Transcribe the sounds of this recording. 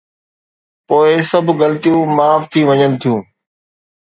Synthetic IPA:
poːɪsɐbʱɡɐlt̪ijũmaːft̪ʰiʋɐɲənɪ̆t̪ʰijũː

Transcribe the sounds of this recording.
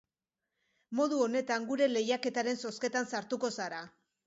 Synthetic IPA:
mo̞ð̞uo̞ne̞t̪aŋɡuɾe̞le̞jake̞t̪aɾe̞nso̞ske̞t̪ansaɾt̪uko̞saɾa

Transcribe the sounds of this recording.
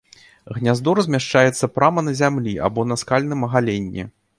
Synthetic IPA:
ɣnʲazd̪ɔɾzʲmʲaʂt͡ʂajɛt̪sːɐpɾamɐnɐzʲamlʲiʔa̰bɔnɐskalʲnɨmɐɣalʲenʲːḭ

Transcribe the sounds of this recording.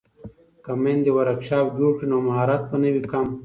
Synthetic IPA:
kɐmend̪ewɐɾɐkɕaːbd͡ʑoːʈinomɐɦaːɾat̪̚pɐnɐwikɐm

